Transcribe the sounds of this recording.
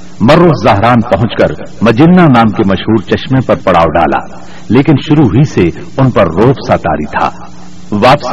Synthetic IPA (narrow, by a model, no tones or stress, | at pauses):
mɐɾoːzzaɦɾaːnpɐɦʊ̃t͡ʃkɐɾ | mɐd͡ʒɪnːanaːmkemɐʃɦuːɾt͡ʃɐʃmẽpɐɾpɐɽ̤a̰ːoɖa̰ːla̰ː | leːkɪnʃʊɾuɦise | ʊnpɐɾːoːpsaːt̪a̰ːɾit̪ʰa̰ː | ʋaːps